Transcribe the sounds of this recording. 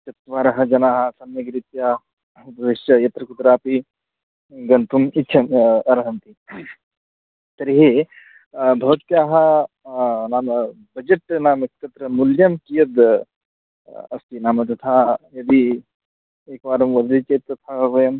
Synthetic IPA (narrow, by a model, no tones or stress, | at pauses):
t͡ʃɐt̪ʋaːɾɐɦɐd͡ʒɐnaːɦɐ̆sɐnjɐɡɾit̪jaː | bʱɐʋiʃjɐjɐt̪ɾɐkut̪ɾaːpi | ɡɐnt̪umitːʃʰɐɐɾɐɦɐnt̪i | t̪ɐɾiɦe | bʱɐʋɐt̪jaːɦɐ̆ | naːmɐ | bɐd͡ʒɐʈnaːmekt̪ɐt̪ɾɐmuljɐmkijɐd̪ | ɐ̰st̪inaːmɐt̪ɐt̪ʰajɐd̪i | eːkʋaːɾɐmʋɐd̪it͡ʃeːt̪ːɐt̪ʰaɦɐʋɐjɐm